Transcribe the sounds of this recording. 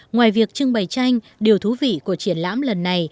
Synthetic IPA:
ŋwaː˨˩jvi˨˩ək̚t͡ɕɨ˧ŋɓə˨˩jt͡ɕa˧jŋ̟ | ɗi˨˩əwt̪ʰu˨˦vḭ˧˨ku˧˩ət͡ɕi˧˩ənla̰ː˧˥mlə˨˩nːa˨˩j

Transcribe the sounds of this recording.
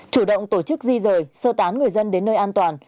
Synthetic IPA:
t͡ɕu˧˩ɗə̰˧˨wŋ͡mt̪o˧˩t͡ɕɨ˦˥k̚zi˧zəː˨˩jsəː˧t̪aː˨˦nŋɨ˨˩əjzə˧nɗe˨˦nːəː˧jʔaː˧nt̪waː˨˩n

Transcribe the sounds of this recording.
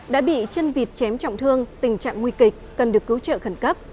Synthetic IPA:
ɗa̰ː˧˥ɓḭ˧˨t͡ɕə˧nvi˨˩t̚t͡ɕɛ˨˦mt͡ɕɔ̰˧˨wŋ͡mt̪ʰɨ˧əŋt̪ï˨˩ŋ̟t͡ɕa̰ː˧˨ŋːwi˧kï˨˩k̚kə˨˩nɗɨ˨˩əkːɨ˨˦wt͡ɕə̰ː˧˨xə˧˩nkə˦˥p̚

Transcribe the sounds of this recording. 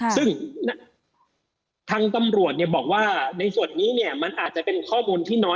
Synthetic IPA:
sɯ˥˩ŋna˦˥ | t̪ʰaː˧ŋt̪a˧mɾu˨˩ət̪̚ni˧˩əbɔː˨˩k̚waː˥˩na˧jsu˨˩ənːiː˦˥ni˥˩əma˧nʔaː˨˩t̪̚t͡ɕa˨˩pe˧nkʰɔː˥˩muː˧nt̪ʰiː˥˩nɔː˦˥

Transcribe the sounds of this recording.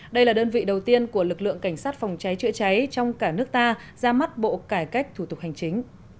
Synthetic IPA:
ɗə˧jlaː˨˩ɗəː˧nvḭ˧˨ɗə˨˩wt̪i˧ənku˧˩əlɨ˨˩k̚lɨ̰˧˨əŋka˧˩ŋ̟saː˦˥t̚fa˨˩wŋ͡mt͡ɕa˨˦jt͡ɕɨ̰˧˥ət͡ɕa˨˦jt͡ɕɔ˧wŋ͡mkaː˧˩nɨ˦˥ək̚t̪aː˧ | zaː˧ma˦˥t̚ɓo̰˧˨kaː˧˩jka˦˥jk̚t̪ʰu˧˩t̪ʊ˨˩k͡p̚ha˨˩jŋ̟t͡ɕï˨˦ŋ̟

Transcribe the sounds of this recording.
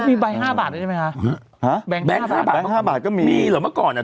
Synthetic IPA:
mi˧˩ɓa˧˩jɦaː˥˩ɓaː˨˩t̚nə˧˩˧ma˨˩aː˧˩˨ | ha˨˦ɓɛ˨˦ɓɛ˨˦˧haː˧˩ɓaː˨˧haː˧˩ɓaː˨˩kɔ˨˦mi˧mi˧lɨː˨˩jmaː˨˦˥kɔː˨˩nʔa˨˩

